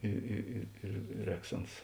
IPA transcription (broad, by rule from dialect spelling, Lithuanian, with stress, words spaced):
ˈɪ ɪ ɪ ɪr ˈrʲɛːks ˈɐns